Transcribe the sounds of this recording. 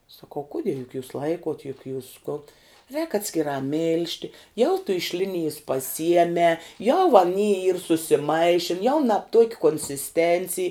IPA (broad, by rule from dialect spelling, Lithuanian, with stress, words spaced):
sɐˈkɐʊ ˈkʊdʲiɛ jʊk juːs ˈlˠɐɪkoːt jʊk juːs kʊn rʲɛːk ɐtʲsʲkʲɪˈrɑː ˈmʲɪlʲʃʲtʲɪ jɛʊ tʊ ɪʃ ˈlʲɪnʲɪjɪs pɐˈsʲiɛmʲɛː jɛʊ ɐˈnʲiː iːr sʊsʲɪˈmɐɪʃʲɪn jɛʊ nɐp tuɔkʲ koːnʲsʲɪsʲˈtʲɛnʲt͡sʲɪj